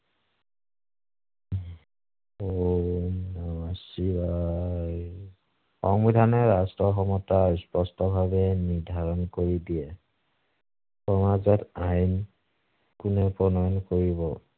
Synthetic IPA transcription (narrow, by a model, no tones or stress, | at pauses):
o | naasiba | xɔŋbidʱanɔɹastɹɔxɔmɔtaspɔstɔbʱabɛniɹdʱaɹɔnkoɹidiɛ | xɔmazɛtajn | kunɛpɹɔnɔjɔnkoɹibɔ